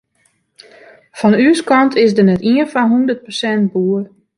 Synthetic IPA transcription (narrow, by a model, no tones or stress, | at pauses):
fɔnyəskɑntʰɪsdənɛtiənfɔnɦundərt̚pərsɛntbuːər